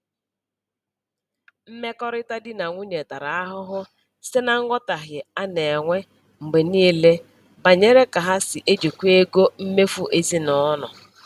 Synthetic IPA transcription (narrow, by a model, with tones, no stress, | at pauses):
m̩˦me˦kɔ˦ɾɪ˦ta˦dɪ˦na˨ŋʷu˦ɲe˨ta˨ɾa˨a˦ɦʊ˦ɦʊ˦ | sɪ˦na˦ŋ̩˦ŋʷɔ˦ta˨ɦjɪ˨a˦ne˨ŋʷe˦ | ŋ͡m̩˨ɡ͡be˨niː˦le˦ | ba˨ɲe˦ɾe˦ka˨ɦa˦sɪ˨ʔe˦d͡ʒe˨kʷu˦e˦ɡo˦m̩˦me˦fu˦ʔe˦zi˦nɔ˦nɔ̰˨